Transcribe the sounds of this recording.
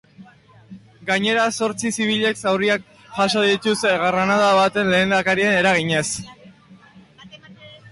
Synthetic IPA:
ɡaɲe̞ɾaso̞ɾt͡sisiβ̞iʎe̞ksawriak | ʝaʃoðit̪useɣaranaðaβat̪e̞nle̞ːnd̪akaɾie̞ne̞ɾaɣ̞iɲe̞s

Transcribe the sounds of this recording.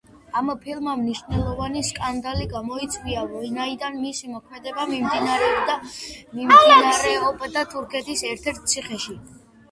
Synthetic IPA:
ampʰilˠmamniʃvnɛlˠɔvaniskʼand̪aliɡamɔit̪sʰʼwiavɔinaid̪anmisimɔkʰmɛd̪ɛbamimd̪inaɾɛɔbd̪amimd̪naɾɛɔbd̪at̪ʰuɾkʰɛt̪ʰisɛɾt̪ʰɛɾt̪̚ʰt̪sʰiχɛʃi

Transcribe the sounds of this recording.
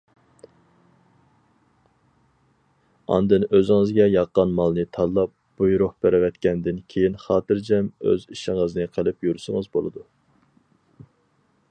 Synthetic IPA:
ɑ̰nd̪ɨnøzɪŋɨzɡʲɛjɑqːɑnmɑlˠnɨt̪ʰɑlˠːɑp̚b̥ujɾʊχb̥æɾɪwɛt̪kʲɛnd̪ɪnkʲʰejinχɑːt̪ɨɾd͡ʒɛmø̰ziʃɪŋəznɨqʰəlɪpjyɾsɨŋəzbolˠɨ̰d̪u

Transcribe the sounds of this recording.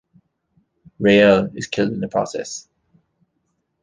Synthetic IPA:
ɹeɪəɪz̥kʰɪlˠdɪ̃nðəpʰɹ̥ɒ̰sɛ̰s

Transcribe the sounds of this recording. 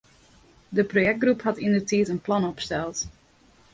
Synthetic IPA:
dəprojɛk̚t̚ɡrupɦɑtɪndətitənplɑnɔpstɛlˠt

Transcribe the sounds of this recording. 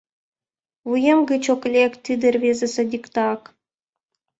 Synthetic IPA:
vujemɡɯt͡ɕoklʲekt̪ʲɨd̪ɘ̆rʲβʲezʲĕsĕdʲikt̪ɑk

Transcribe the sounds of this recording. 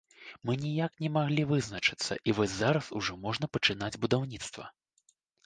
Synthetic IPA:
mɨnʲijaknʲɛmaɣlʲivɨznɐt͡ʂɨ̥t̪sːɐ̰ʔivɔzʲzaɾɐsuʐɔmɔʐn̪ɐpɐt͡ʂɨn̪ad͡zʲbud̪awnʲit̪st̪vɐ̰

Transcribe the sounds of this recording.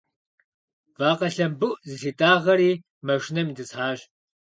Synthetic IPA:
vaːqɐɬɐmbɨʔzɨsiːtʼaːʁɐɾiː | mɐʂnɐmidɨsħaːɕ

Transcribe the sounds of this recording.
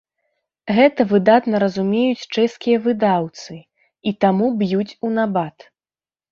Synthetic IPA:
ɣɛt̪ɐvɨd̪at̪nɐɾɐzumʲejut͡sʲt͡ʂɛskʲijɐvɨd̪awt̪sɨ | it̪amubjut͡sʲunabat̪

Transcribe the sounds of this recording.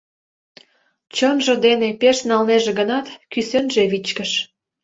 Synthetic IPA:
t͡ɕonʒɤ̆d̪enepeʃnɑlneʒĕɡənɑt̪kysønʒeβit͡ɕkəʃ

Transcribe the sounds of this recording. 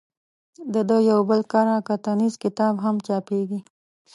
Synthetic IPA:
d̪əd̪əjawbəlkaɾakat̪anizkɪt̪ɑbɦamt͡ʃɑpeɡi

